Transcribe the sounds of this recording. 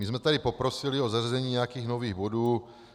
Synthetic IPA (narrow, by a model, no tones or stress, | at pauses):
mɪzmɛt̪adɪpo̞pɾo̞sɪlɪo̞zarzɛɲiːɲɛjakiːɣnoviːɣbo̞duː